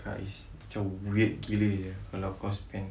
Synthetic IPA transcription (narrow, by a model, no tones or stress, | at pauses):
ka̰ʔḭs | at͡ʃauet̪̚ɡiləjəkalawkɔspɛn